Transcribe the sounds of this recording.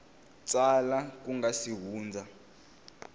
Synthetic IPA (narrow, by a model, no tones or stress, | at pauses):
t͡salak̬ʼuŋɡasiɦuːnd͡zʱa